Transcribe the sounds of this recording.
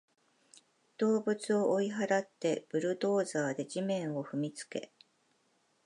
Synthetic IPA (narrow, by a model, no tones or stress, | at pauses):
d̪̥o̞ːbɯ̟t͡sɨo̞ʔoiɦaɾat̪ːe̞b̥ɯ̟ɾɯ̟d̪o̞ːzaːd̪e̞ʑimẽ̞ɰ̃o̞ɸɯ̟mʲit͡sɨ̥ke̞̰